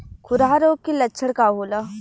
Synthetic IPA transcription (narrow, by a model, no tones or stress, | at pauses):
kʰʊɾaːɾoːkːelɐtːʃʰəɽkaɦoːla